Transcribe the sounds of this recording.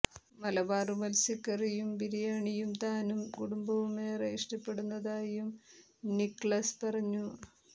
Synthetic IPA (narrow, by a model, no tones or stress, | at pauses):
mɐlɐbaːrumɐlsikːɐrijumpiɾijaːɳijumt̪aːnumkuɽumbɐʋumːeːreiʂʈɐpːe̞ɽunːɐðaːjum | nikːɭɐspɐrɐɲːu